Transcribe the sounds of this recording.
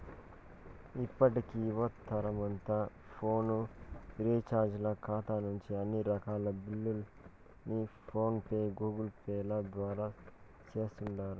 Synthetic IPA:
ipːɐʈikiːʋɐt̪ʰːɐɾɐmɐnt̪aː | pʰo̞ːnuɾiːt͡ʃaːɾd͡ʒlɐkʰaːt̪aːnuɲt͡ʃiɐnːiɾɐkaːlɐbilːul | nipʰo̞ːnpeːɡuːɡɐlpeːlɐd̪ʋaːɾaː | t͡ʃeːst̪uɳɖaːɾu

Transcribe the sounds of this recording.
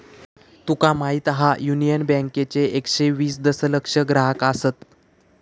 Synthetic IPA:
t̪ukamaɦit̪ɦajunijənbɛ̃ŋket͡seekʂeʋiːsd̪əsələkʂəɡɾaɦəkasət̪

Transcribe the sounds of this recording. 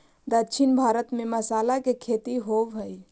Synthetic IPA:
d̪ətːʃʰinbʱaːɾət̪mẽməsaːlakekʰet̪iɦoʋɦəj

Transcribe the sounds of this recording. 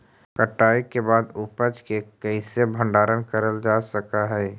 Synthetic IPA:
kəʈːaːikebaːd̪ʊpət͡ʃkekɛɪsebʱə̃ɳɖaːɾənkɐɾəld͡ʒaːsɐkaɦɛː

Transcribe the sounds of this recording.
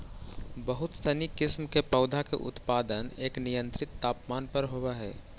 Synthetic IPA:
bəɦʊt̪sɐnikɪsmkepəːʊd̪ʱakḛʔʊ̰t̪paːd̪əneːknijə̃nt̪ɾɪt̪ːaːpmaːnpəɾɦowaɦɛː

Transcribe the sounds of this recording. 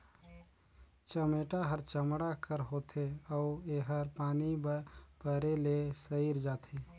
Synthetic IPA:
t͡ʃəmeʈaɦəɾt͡ʃəmɽakəɾɦot̪ʰeɔʊeɦəɾpaːnibbəɾelesəiɾd͡ʒaːt̪ʰe

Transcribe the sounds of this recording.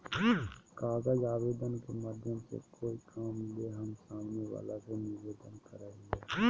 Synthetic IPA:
kaːɡəd͡ʒaːʋeːd̪ənkemaːd̪ʱjəmsḛkʰoːikʰaːmleɦəmsaːmneʋa̰ːlasenɪɾʋeːd̪ənkəɾaːiŋɡe

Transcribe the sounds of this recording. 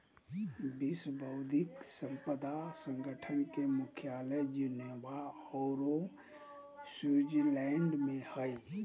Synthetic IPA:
biswbʱəʊd̪ʱiksə̃mpəd̪asə̃ŋɡʱəʈʰənkemʊkʰjaləd͡ʒunebaɔːɾo | sud͡ʒlɛɳɖmẽhəj

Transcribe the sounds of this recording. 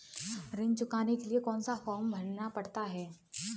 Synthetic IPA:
ɾɪ̃nt͡ʃʊkaːnekeliekɔ̃ːnsafɔːmbʱɐɽnapɐɽt̪aɦɛː

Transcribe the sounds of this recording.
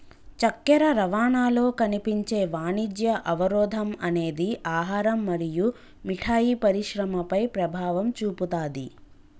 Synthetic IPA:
t͡ʃɐkːɛɾɐɾɐʋaːɳaːlo̞ːkɐnipiɲt͡ʃe̞ːʋaːnid͡ʒjɐʔɐʋɐɾɔːd̪ʱɐmɐne̞ːd̪iʔaːɦaːɾɐmːɐɾiju | miʈʰaːjipɐɾiʃɾɐmɐpɐjpɾɐbʱaːʋɐmt͡ʃuːput̪aːd̪i

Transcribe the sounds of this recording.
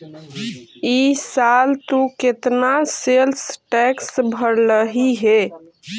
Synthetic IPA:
isalt̪uket̪naselsʈɛksbʱəɾləɦiɦe

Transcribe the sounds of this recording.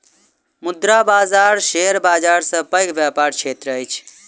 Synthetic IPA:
mʊd̪ɾabaːzaːɾʃeɾbaːd͡ʒaɾsə̃pəjkbjapaɾt͡ʃʰet̪ɾəəjt͡ʃʰ

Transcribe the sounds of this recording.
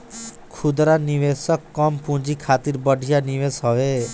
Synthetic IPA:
kʰud̪ɾaniʋesɔkːɔmpũd͡ʒikʰat̪iɾbɔɖʱijaniʋesɦɔwe

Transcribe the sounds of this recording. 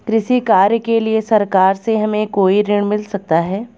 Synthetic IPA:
kɾɪʃikaːɾjəkeliesɐɾkaːɾseɦɐmẽkoːiɾɪɳ̃mɪlsɐk̚t̪aɦɛː

